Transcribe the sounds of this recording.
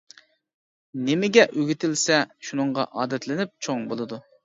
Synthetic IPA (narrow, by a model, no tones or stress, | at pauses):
nɪmɪɡʲɛʔøɡʲit̪ʰɪlsɛʃunɨɴʁɑ̰ʔɑːd̪ɛt̪ʰlɪnyp̚t͡ʃʰoŋbolˠɨd̪u